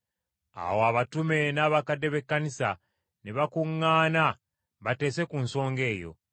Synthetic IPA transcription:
a̰woaβatume̞naːβakadːe̞βe̞kːanisa | neβakuŋːaːna | βate̞ːse̞kunso̞ːŋɡe̞ːjo̞̰

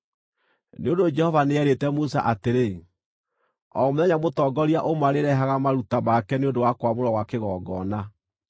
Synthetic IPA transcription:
neondod͡ʒɛhɔvaneɛɾetɛmusa̰ʔateɾe | ɔ̰moðɛɲamotɔːɡɔɾiaʔomaɾeɾɛɦaɣamaɾutamakɛneondowakwamoɾɔwakeɣɔːɡɔːna

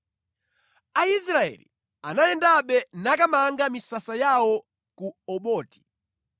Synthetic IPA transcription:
ais̬ɾaɛ̰lḭ | anajɛndaɓɛnakamaŋɡamisasajawɔ | kuɔɓɔːti̥

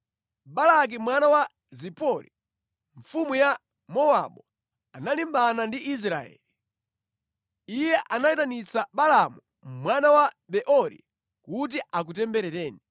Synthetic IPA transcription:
ɓalak̬imwanawa | zipɔɾḭ | ɱfumuja | mɔwa̰ɓɔ | analimbanandiʔis̬ɾaɛ̰li | ijɛʔanaitanit͡saɓalamu | mwanawa | ɓɛʔɔɾḭ | kut̬iʔak̬utɛmbɛɾɛtɛːni

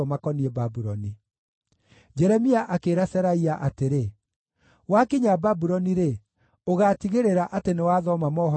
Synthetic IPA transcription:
ɔmakɔniɛbabuɾɔni | d͡ʑɛɾɛmiaʔakeːɾasɛɾaiaʔateɾe | wakiɲababuɾɔniɾe | oɣatiɣeɾeɾaʔatenewaðɔmamɔɦɔ

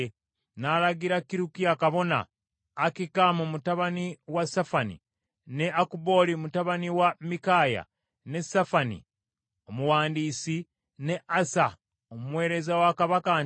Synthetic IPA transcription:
nalaɡiɾakiɾukiakaβo̞na̰ː | kikamumutaβaniwasafanḭ | ne̞akubo̞limutaβaniwamikaːja̰ | ne̞safanḭ | omuwaːndiːsi | ne̞ʔasa | omumwe̞ːɾe̞zawakaβaka

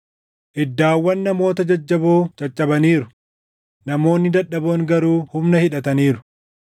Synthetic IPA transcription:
ʔɪd̪ːaːwːɐnːɐmo̞ːt̪ɐd͡ʒɐd͡ʒːɐboːt͡ʃʼɐt͡ʃʼːɐbɐniːɾʊ̥ | nɐmo̞ːnːɪd̪ɐᶑːɐboːŋɡɐɾuːhʊmnɐhɪᶑɐt̪ɐniːɾʊ̥

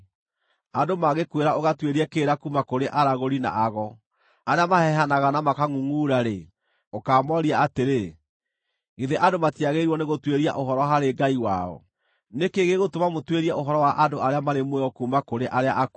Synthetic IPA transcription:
adomaɣekweɾaoɣatweɾiɛkeːɾakumakoɾeʔaɾaɣoɾina̰ʔaɣɔ | aɾeamahɛɦanaɣanamakaŋuŋuːɾaɾe | okaːmɔɾiaateɾe | ɣiðeʔadomatiaɣeɾwɔneɣotweɾia̰ʔoɦɔɾɔɦaɾeɡaiwa̰ɔ̰ | nekeɣeɣotomamotweɾiaʔoɦɔɾɔwaʔadoaɾeamaɾemwɛɔkumakoɾeʔaɾea̰ʔak

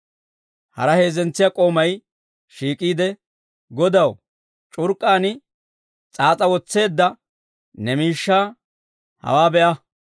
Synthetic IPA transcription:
hɐ̰ɾɐhe̞ːzɛnt͡sːɪjɐkʼo̞ːmɐj | ʃiːkʼiːd̪ɛ | ɡɔd̪ɐw | t͡ʃʼʊɾkʼːaːnɪ | t͡sʼaːt͡sʼɐwɔt͡sːe̞ːd̪ːɐ | nɛmiːʃːaː | hɐ̰waːbɛʔɐ

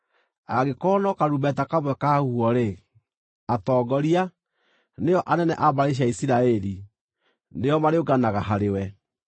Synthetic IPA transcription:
aɣekɔnɔkaɾubɛtakaβwɛkahuɔɾe | atɔːɡɔɾia | neɔʔanɛnɛ̰ʔabaɾeʃ̬iaisiɾaɛɾi | nejɔmaɾeoɡanaɣaɦaɾewɛ

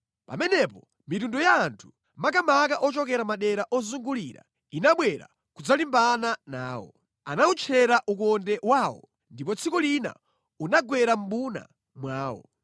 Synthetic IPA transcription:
pa̰mɛnɛpɔ | mitundɔjaːntʰu̥ | mak̬amakaʔɔt͡ʃɔkɛɾamaɗɛɾaʔɔzuŋɡuliːɾa̰ | inaɓwɛɾa̰ | kud͡zalimbanana̰ːwɔ̰ | anaut͡ʃʰɛɾaʔuk̬ɔndɛwaːwɔ̰ | ndip̬ɔt͡sʰikɔlina̰ | unaɡwɛɾam̩ɓuna̰ | mwaːwɔ̰

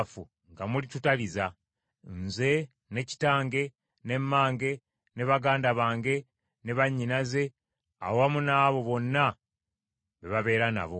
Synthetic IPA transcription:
fṵ | ŋɡamulitutaliza | nze̞ | ne̞ci̥taːŋɡe̞ | ne̞mːaːŋɡe̞ | ne̞βaɡaːndaβaːŋɡe̞ | ne̞βaɲːinaze̞ | a̰owamunaβo̞βo̞nːa | βeβaβe̞ːɾana̰βo̞

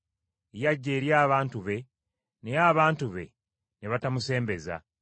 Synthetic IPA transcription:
ejaɟːe̞ːɾjaːβaːntuβe̞ | ne̞jaːβaːntuβe̞̰ | ne̞βatamuse̞ːmbe̞za̰

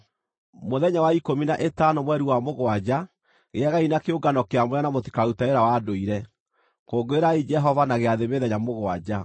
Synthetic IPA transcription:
moðɛɲawaikominaʔetanɔmwɛɾiwamoɣwad͡ʒa | ɣeaɣainakeoɡanɔkeamwanamoti̥kautaeɾawadoiɾɛ | koːɡoeɾaid͡ʒɛɦɔvanaɣeaðeβeðɛɲamoɣoad͡ʒa

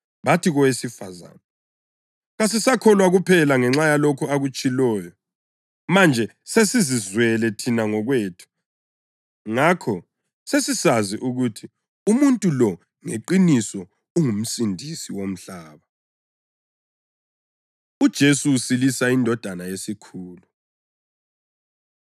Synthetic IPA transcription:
βatʰiɣɔwesifa̰za̰na | ɣasisakʰɔlwaɣupʰɛlaŋɛŋ͡ǁajalokʰuaɣut͡ʃʼilɔːjɔ | mand͡ʒʱɛ | sesizizwɛlɛtʰinaŋɔɣweːtʰu̥ | ŋakʰɔ | sesisaziʔuɣutʰi | umuntʼulɔ | ŋeǃinisɔ | uŋum̩sindʱisiwom̩ɬaːβa | ud̥ʒ̥ʱesuːsilisaindʱɔd̥ʱanajesikʰuːlu

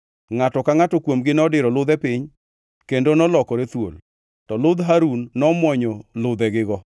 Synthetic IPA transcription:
ŋatɔkaŋatɔkwomɡɪnɔdɪɾɔlʊd̪ɛpɪɲ | kendonɔlɔkɔɾet̪wo̰l | tɔlʊd̪ɦaɾunːɔmwɔɲɔlʊd̪ɛɡɪɡɔ

